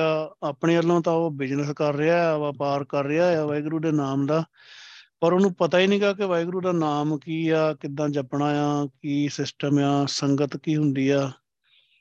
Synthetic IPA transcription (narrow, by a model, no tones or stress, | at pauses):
aːaːpɳeːəlːãːt̪ãːoːbɪd͡ʒnəskəɾːɪaːʋaːpaːɾkəɾːɪaːjaːʋaːiɡɾuːd̪eːnaːmd̪aː | pəɾoːnũːpət̪aːiːnĩːɡaːkɪʋaːiɡɾuːd̪aːnaːmkiːaːkɪd̪ãːd͡ʒəpɳaːjãːkiːsɪsʈəmjãːsəŋɡət̪kiːɦʊnd̪iːɛː